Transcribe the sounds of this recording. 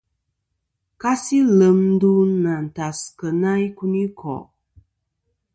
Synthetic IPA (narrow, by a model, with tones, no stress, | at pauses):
ka˦si˦lə˨mn̩˦du˦na˨n̩˨ta˨skə˨na˦i˦ku˦ni˦kʰɔ̰˨ʔ